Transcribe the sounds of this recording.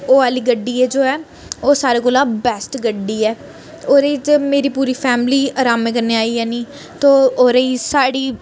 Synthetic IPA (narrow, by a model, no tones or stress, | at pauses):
oːaːliːɡəɖːiːɛːd͡ʒoːɛː | oːsaːɾeːkoːlãːbɛːsʈɡəɖːiːɛː | oːɾeːd͡ʒemeːɾiːpuːɾiːpʰɛːmliːaːɾaːmɛːkəɾneːaːiːɛːniː | t̪oːoːɾeːisaːɽiː